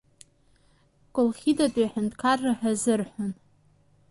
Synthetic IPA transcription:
kʷʼʊlχʲidatʼijħɨntʰʼkʰarːaħazɨrħʷan

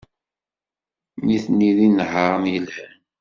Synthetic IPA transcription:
niθnːiðinhəɾəmjəlhæn

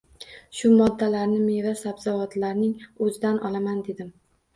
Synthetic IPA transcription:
ʃʊmɒd̪ːalaɾnɪmevasabzɒvat̪laɾnɪŋɵzɪd̪anʔɒlamand̪ed̪ɪm

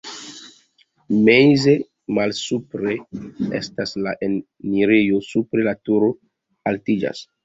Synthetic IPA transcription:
mejze | malsupɾe̞ḛstaslaʔe | niɾejo̞supɾe̞latuɾo̞ | altid͡ʒa̰s

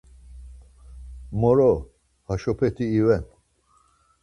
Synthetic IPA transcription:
mɔɾɔ | haʃɔpʰɛt̪ʰiːvɛn

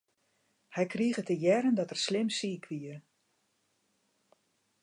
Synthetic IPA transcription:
hɛjkriəɣətəjɛɾəndɔtərslɪmsiːkʰʋiə

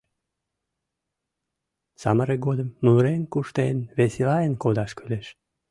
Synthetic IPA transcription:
sɑ̰məɾeɡod̪əmːuɾenkuʃt̪enβeselɑenkod̪ɑʃkyleʃ

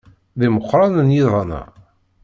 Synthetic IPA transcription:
ðiməqːɾˤɑnənjiðˤɑnɑ̰

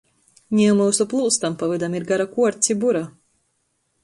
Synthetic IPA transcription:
ɲʲimausuplˠulˠst̪ampavid̪amiɾɡaɾakuɔɾt̪sʲibuɾa

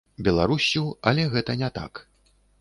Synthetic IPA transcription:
bʲɛlˠaɾusʲːuɐlʲɛɣɛt̪ɐnʲɛt̪a̰k

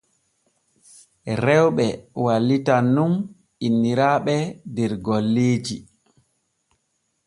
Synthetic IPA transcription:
ɾɛwɓɛwalːitanːum | inːiɾaːɓɛdɛɾɡɔlːeːd͡ʒi

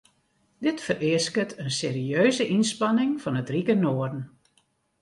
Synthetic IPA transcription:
dɪtfərɪəskətʰənseːɾiøːzəʔinspɑnɪŋfɑnətrikənoərdən̩

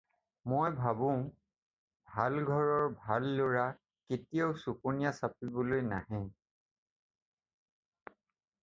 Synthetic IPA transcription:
mojbʱabʊ̃ | bʱalɡʱɔɹɔɹbʱalːoɹa | ketijoʊsuponijasapibɔlojnaɦɛ̃

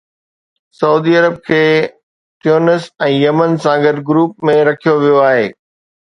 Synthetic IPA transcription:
sɐuːd̪iɐɾəb̚kʰeː | ʈjoːnəsɛ̃ːjɐmənsãɡɐdɡɾuːp̚mẽɾɐkʰijoʋijoaːɦeː

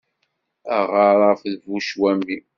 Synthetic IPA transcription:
æʁɑɾˤɑfðvuʃwæmi

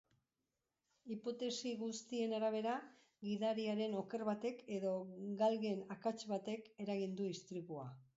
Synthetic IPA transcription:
ipo̞t̪e̞siɣust̪ie̞naɾaβ̞e̞ɾa | ɣiðaɾiaɾe̞no̞ke̞rβat̪e̞ke̞ðo̞ɡalɣe̞nakat͡ʃβat̪e̞ke̞ɾaɣind̪uist̪ɾiɣua

